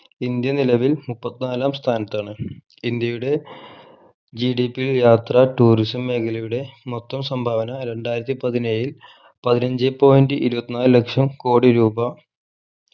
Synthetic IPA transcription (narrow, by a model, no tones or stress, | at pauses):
ind̪jɐnilɐʋilmupːɐt̪ːinaːlaːmst̪ʰaːnɐt̪ːaːɳɨ | ind̪jɐjuɽe̞ | d͡ʑiɖipiljaːt̪rɐʈuːrisɐmːe̞ːkʰɐlɐjuɽe̞mot̪ːɐmsɐmbʱaːʋɐnɐɾeɳɖaːjɾɐt̪ːipɐðinejil | pɐðinɐɲd͡ʑepo̞ːjindɨʔiɾubɐt̪ːinaːllɐkʂɐmko̞ːɽiɾuːbɐ